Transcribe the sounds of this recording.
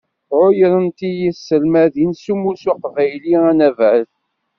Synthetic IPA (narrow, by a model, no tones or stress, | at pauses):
ʕʊjəɾənt̪ijisːəlmæðinsumusuqvæjliænævəθ